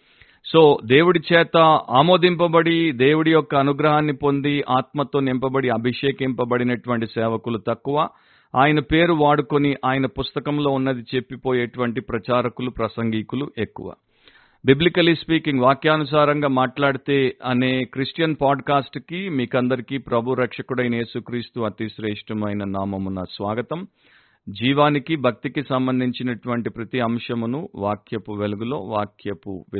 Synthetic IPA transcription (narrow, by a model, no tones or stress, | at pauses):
so̞ːd̪e̞ːwuɽit͡ʃɛːt̪ɐaːmo̞ːd̪impɐbɐɽid̪e̞ːwuɽijɔkːɐːnuɡɾɐɦaːnːipo̞nd̪iʔaːt̪mɐt̪o̞ːnimpɐbɐɽiɐbʱiʂɛːkimpɐbɐɽinɐʈuʋɐɳʈisɛːʋɐkulut̪ɐkːuʋaː | aːjɐnɐpe̞ːɾuʋaːɽukoniʔaːjɐnɐpust̪ɐkɐmlo̞ːunːɐd̪it͡ʃe̞pːipo̞ːjeːʈuʋɐɳʈipɾɐt͡ʃaːɾɐkulupɾɐsɐŋɡikuluʔekːṵʋa̰ː | biblikɐlispiːkiŋɡʋaːkjaːnus̬aːɾɐŋɡaːmaːʈlaːɽut̪e̞ːɐne̞ːkɾisʈjɐnpaːɖkaːsʈkimiːkɐnd̪ɐɾikiːpɾɐbʱuɾɐkʂɐkuɽɐjnɐje̞ːsukɾiːst̪uɐt̪iʃɾɛːʂʈɐmɐjnɐnaːmɐmunɐsʋaːɡɐt̪ɐm | d͡ʒiːʋaːnikibʱɐk̚t̪ikisɐmbɐnd̪ʱiɲt͡ʃinɐʈuʋɐɳʈipɾɐt̪iɐmʂɐmunuʋaːkʰjɐpuʋelɐɡulo̞̰ːʋaːkʰjɐpṵʋ